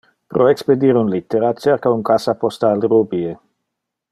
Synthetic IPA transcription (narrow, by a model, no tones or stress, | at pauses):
pɾʔoeksped̪iːɾunlit̪ːeɾat͡ʃeɾkauŋkasapost̪aːlɾubie